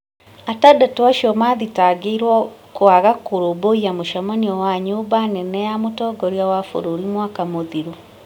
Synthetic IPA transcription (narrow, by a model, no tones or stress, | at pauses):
atadatowaʃiɔmaðitaɡeiɾwɔkoaɣakoɾoboiamoʃamaniɔwaɲoːbanɛnɛjamotɔːɡɔɾiawafo̰ɾoɾimwaːkamoðiɾo